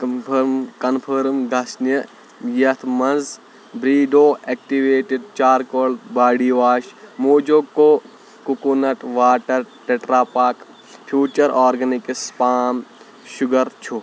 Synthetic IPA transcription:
mkɐnpʰɐɾmɡɐsnɐ | jɐt̪ʰmɐnz | bɾiːɖoːek̚ʈiʋeːʈiɖ̚t͡ʃaːɾkoːlbaːɽiːʋaːʃmoːd͡ʒokːoː | kukunɐʈʋaːʈɐɾʈeʈɾaːpaːk | pʰjuːt͡ʃɐɾʔaːɾɡɐnikspaːm | ʃʊɡɐɾt͡ʃʰu

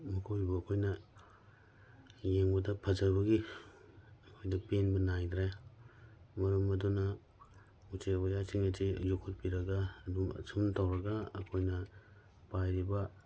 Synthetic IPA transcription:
mɐkʰojbɐːkʰojnɐ | jeŋbɐdɐpʰɐzɐbɐɡi | ɐkʰojdɐpenbɐnajd̪ɾe | mɐɾumɐdunɐ | ut͡ʃebajasiŋɐtʰizukʰut̚piɾɐɡɐdumɐ̰sʰumtʰawɾɐɡɐɐkʰojnɐ | pajɾibɐ

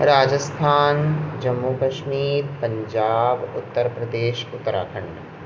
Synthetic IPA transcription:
ɾaːd͡ʒəst̪ʰaːnd͡ʒɐmːukɐʃmiːpɐ̃ɲd͡ʒaːbʊt̪ːəɾpɾɐd̪eːʃʊt̪ːəɾa̰ːkʰə̃ɳɖə

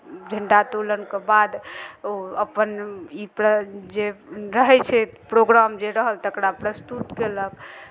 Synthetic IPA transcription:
d͡ʒʱəɳɖat̪olənkebad̪oəpənipɾəd͡ʒeɾəɦɛt͡ʃʰɛpɾoɡɾamd͡ʒeɾəɦəlt̪əkɾapɾəst̪ut̪kelək

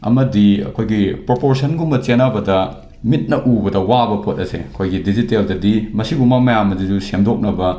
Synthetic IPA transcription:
ɐ̰mɐdiɐ̰kʰojɡipɾopoɾsɐnɡumbɐt͡ʃenabɐdɐ | mit̚nɐʔubɐdɐwabɐpʰot̚ɐsḛɐkʰojɡidiziteldɐdimɐsiɡumɐmɐjamːɐzizusemdok̚nɐbɐ

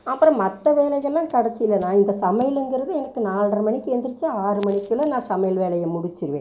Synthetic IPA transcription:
ɐpːɯɾɔ̃mɐt̪ːɐʋeːlɐɣɐlːãːkɐɽɐsɪjɪlːɐnãːɪnd̪ɐsɐmɐjɪlɛŋɡɪɾɐðɯɛnɐkːɯnaːlɳɖɐrɯmɐɳɪkːɯɛnd̪ɪɾɯt͡ʃːɯaːɾɯmɐɳɪkːɪlɐnãːsɐmɐjɪlʋeːlɐjɐmʊɽɪt͡ʃːɪɾɯʋḛ̃ː

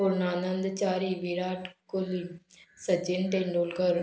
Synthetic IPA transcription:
oɾnaːnənd̪t͡ʃaːɾiːʋiɾaːʈkolisəd͡ʒɪnʈeɳɖoːlkəɾ

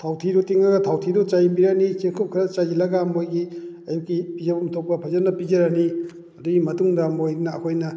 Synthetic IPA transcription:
tʰawtʰidɔtiŋɐɡɐtʰawtʰidɔt͡ʃajmbiɾanit͡ʃeŋkʰop̚kʰɾɐt͡ʃazilɐɡamojɡiɐjukːipizɐbɐmɐtʰok̚pːɐpʰazɐɾnɐpizɐɾani | ɐduɡimɐtuŋdɐmojnɐːkʰojnɐ

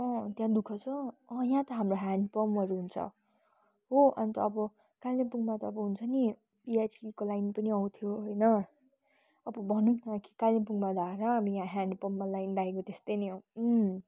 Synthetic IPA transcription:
ʌ̃t̪jãd̪ukʰʌt͡sʰʌːjãt̪ʌɦamroɦandpʌmʌɾuɦunt͡sʰʌ̰ | ɦoʔʌnt̪ʌːbʌ | kalepuŋmat̪ʌːbʌɦunt͡sʰʌni | piajsikolajnpʌniʌw̃t̪ʰijoɦojnʌ | ʌbʌbʱʌnunãki̥kalepuŋmad̪ʱaɾʌʌbʌjãɦanɖpʌmːalajnɖaekot̪est̪ʌjni

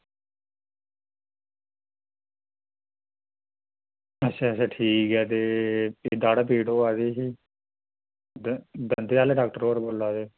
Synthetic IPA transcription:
ətːʃʰaːət͡ʃʰaːʈʰiːkɛːt̪eːeːd̪aːɽaːpiːɽoːaːd̪eːɦiː | d̪ənd̪eːaːleɖaːk̚ʈəɾoːəɾboːlːaːd̪eː

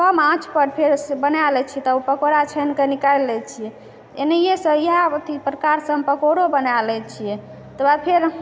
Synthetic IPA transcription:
kəmãt͡ʃʰpəɾpʰeɾsbənalɛt͡ʃʰit̪ɔupəkoɽat͡ʃʰənkenikaɾlɛt͡ʃʰijɛ | enəijesəiɦat̪ipɾəkaɾsəmpəkoɽobənalɛt͡ʃʰijɛ | t̪əbapʰeɾ

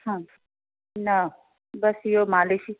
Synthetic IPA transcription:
hã | na | bɐsjomaːleʃi

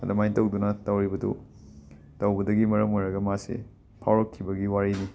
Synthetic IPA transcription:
ɐdɐmajtɐwdunɐtɐwɾibɐdṵ | tɐwbɐdɐɡimɐɾɐmojɾɐɡɐmasḛ | pʰawɾɐkʰːibɐɡiwaɾini

